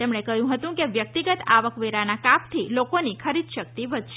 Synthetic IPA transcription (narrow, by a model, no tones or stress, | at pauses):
t̪emɳekəjũɦət̪ũkeʋjək̚t̪iɡət̪aʋəkʋeɾanakap̚t̪ʰilokonikʰəɾid̪ʃək̚t̪iʋəd̪ʱʃe